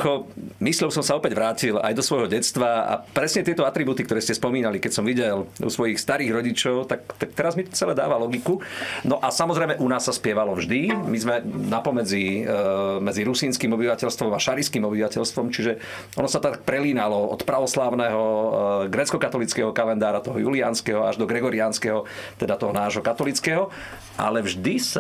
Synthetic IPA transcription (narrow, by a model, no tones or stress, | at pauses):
kɔmisʎɔʊsɔmsaɔpɛɟʋɾaːcila̰jd̪ɔsʋɔjɦɔɟɛt͡st̪ʋaa̰pɾɛsɲɛt̪ɪɛt̪ɔat̪ɾibuːt̪ikt̪ɔɾɛːscɛspɔmiːnalikɛcsɔmʋiɟɛlṵsʋɔjixst̪aɾiːɣɾɔɟit͡ʃɔʊt̪akt̪ak̚t̪ɛɾazmit̪ɔ̥t͡sɛlɛd̪a̰ːʋalɔɡikunɔʔasamɔzɾɛjmɛʔunaːsːaspɪɛʋalɔvʒd̪imizmɛnapɔmɛd͡zi | mɛd͡ziɾusiːnskiːmɔbiʋacɛlst̪ʋɔmaʃaɾiskiːmɔbiʋacɛʎst̪ʋɔmt͡ʃiʒɛ | ʔɔnɔsat̪akpɾɛliːnalɔɔ̰t̪pɾaʋɔslaʊnɛɦɔɡɾɛt͡skɔkat̪ɔlit͡skɛɦɔkalɛnd̪aːɾat̪ɔɦɔjulianskɛɦɔaʒd̪ɔɡɾɛɡɔɾianskɛɦɔt̪ɛd̪at̪ɔɦɔnaːʒɦɔkat̪ɔlit͡skɛɦɔ | ʔa̰lɛvʒd̪is